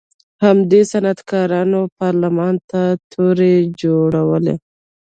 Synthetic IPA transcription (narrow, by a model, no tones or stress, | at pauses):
hamd̪esanat̪kɑɾɑnopɑɾlamɑnt̪at̪ʰoɾed͡ʒoɽawəlḛ